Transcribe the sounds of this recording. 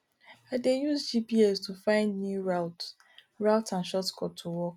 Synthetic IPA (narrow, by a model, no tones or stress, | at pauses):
adejusd͡ʒipiɛstʰufãɪ̃ndnua | ɹaʊtãnʃɔtkʰɔtʰuwɔk